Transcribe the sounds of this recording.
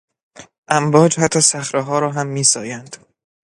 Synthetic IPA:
ʔæmbɒːd͡ʒhæt̪ʰːɒːsæxɾeɦɒːɾɒːɦæmːiːsɒ̰ːjænd̪̥

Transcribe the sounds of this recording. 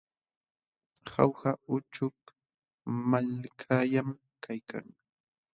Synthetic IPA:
ha̰whaʊt͡ʃʊk | malkʰajam | kʰajka̰ŋ

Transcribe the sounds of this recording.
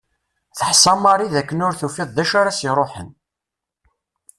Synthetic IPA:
θəħsɑmɑɾˤiðækːənʊɾθufiðˤðæʃaɾasiɾˤoħə̰n

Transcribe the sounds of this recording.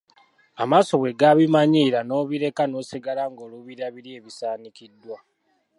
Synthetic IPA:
amaːso̞βwe̞ɡaβimaɲiɾano̞ːβiɾe̞kano̞ːsiɡalaŋɡoːluβiɾaβiɾe̞ːβisaːnikidːwa

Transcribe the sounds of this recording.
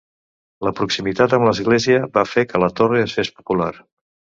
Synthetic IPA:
ləpɾuksimit̪at̪əmləzɣleziəβafekələt̪oreəsespu̥pulaɾ

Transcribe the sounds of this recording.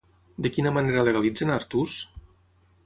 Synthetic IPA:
d̪ekinamaneɾaleɣalid͡zenaɾt̪us

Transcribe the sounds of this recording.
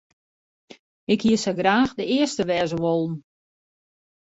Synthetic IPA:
ɪkhiəsəɡraːxdəɪəstəʋɛːzəʋolˠn̩

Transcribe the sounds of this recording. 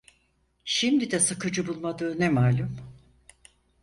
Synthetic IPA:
ʃimd̪id̪ɛsakɯd͡ʒɯbulˠmad̪ɯːnɛmaːlʲum

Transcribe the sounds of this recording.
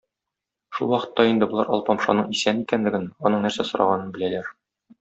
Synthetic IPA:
ʃulˠwɒqɤ̥̆t̪ːɑind̪ɘ̆bŏlˠɑɾɒ̰lˠpɒmʃɑ̰nɤɴisænikænlɘ̆ɡɘnɒnɤɴnæɾsæsŏɾɑ̰ʁɑnɤnbɘ̆lælæɾ

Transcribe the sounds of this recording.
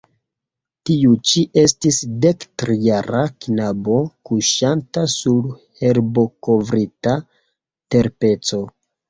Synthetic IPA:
tiut͡ʃiʔe̞stisdektɾijaɾaknabo̞kuʃantasuɾhe̞ɾbo̞ko̞vɾita | te̞ɾpe̞t͡so̞

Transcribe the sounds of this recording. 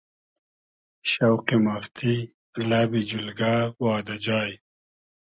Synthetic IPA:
ʃawqimaft̪ʰi | labid͡ʑulɡaːwɑːd̪ad͡ʑɑːj

